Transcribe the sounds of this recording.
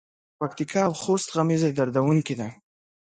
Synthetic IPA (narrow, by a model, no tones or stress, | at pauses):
pak̚t̪ikɑːwxost̪ɣamized̪aɾd̪awuŋkid̪a